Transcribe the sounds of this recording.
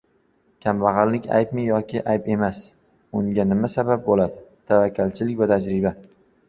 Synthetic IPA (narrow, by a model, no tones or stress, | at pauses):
kʲʰamvaʁɑlːɪkʲa̰jp̚mɪjɒkʲʰɪʔajpe̞mas | ʊŋɡʲanɪmasabap̚bolad̪ɪt̪ʰavakʲʰːalt͡ʃʰɪlɪkʲvat̪ʰad͡ʒɾɪba